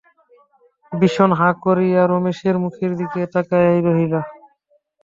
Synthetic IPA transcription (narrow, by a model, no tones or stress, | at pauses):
biʃonɦakoɾijaɾomeʃeɾmukʰeɾd̪ikeʈakajajɾoɦila